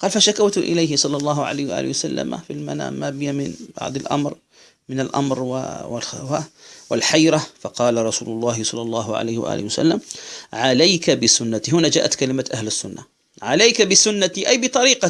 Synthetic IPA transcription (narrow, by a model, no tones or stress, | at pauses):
qɑːlfaʃakawt̪ʔɪ̰lajɦɪsˤɑlːɑlˤːɑːɦʊʕa̰laːhwaʔa̰ːlɪwasalːa̰ma̰filmana̰ːmaːbɪjamɪnbɑ̰ʕd̪ˤɪlʔa̰mɾ | mɪnalʔa̰mɾw̰ɪ̰lxwawɪlħajɾafɑqɑːlaɾˤɑsuːlʊlˤːɑːhɪsˤɑlːɑlˤːɑːɦʊʕa̰la̰ːhɪwa̰ʔa̰ːlɪhwasa̰lːamʕalajkabɪsʊnːat̪iɦʊnad͡ʒa̰ːʔat̪kalɪmat̪ʔahlɪsːʊnːa | ʕalajkabɪsʊnːat̪iʔajbɪt̪ˤɑɾiːqɑ